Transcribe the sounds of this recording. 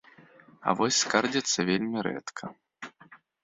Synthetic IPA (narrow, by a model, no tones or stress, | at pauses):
ɐ̰vɔsʲskard͡zʲɐt̪sːɐvʲelʲmʲiɾɛ̰t̪kʰɐ